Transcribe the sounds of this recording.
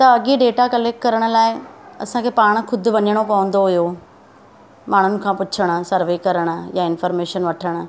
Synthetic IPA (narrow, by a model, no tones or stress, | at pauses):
t̪ɐɐɡiɖeːʈakɐleːk̚ʈkɐɾəɽ̃ʊ̆laːɪɐsãkʰeːpaːɽ̃kʰʊd̪̆ʱʋɐɲəɽ̃okɐə̃nd̪oɦʊjo | maːɽ̤ʊnɪ̆kʰãːpʊt͡ɕʰəɽ̃̆sɐɾʋeːkɐɾəɽ̃̆jaɪnfəɾmeːʃənʋɐʈʰəɽ̃̆